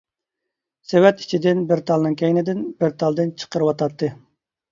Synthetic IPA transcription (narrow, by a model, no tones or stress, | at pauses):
sewɛt̪i̥t͡ʃʰid̪ɪnbɪɾt̪ʰɑlˠnɨŋkʲʰɛjnɪd̪ɪnbɪɾt̪ʰɑlˠd̪ɨnt͡ʃʰə̥qəɾɨwɑt̪ʰɑt̪ːɨ